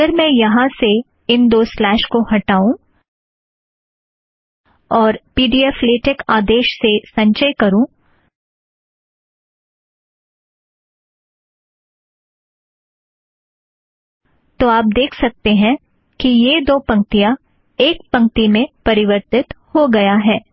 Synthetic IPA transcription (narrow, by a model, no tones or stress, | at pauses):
əɾmɛ̃jɐɦãse | ɪnd̪oːslɛːʃkohɐʈaːũ | ɔːɾpiːɖiaːfleːʈɪkaːd̪eːʃsesɐ̃ɲt͡ʃəjkɐɾũ | t̪oaːp̚d̪eːkʰsɐk̚t̪eɦɛ̃ | kijed̪oːpɐ̃ŋk̚t̪ijã | eːk̚pɐ̃ŋk̚t̪imẽpɐɾɪʋəɾt̪ɪt̪hoɡɐjaɦɛː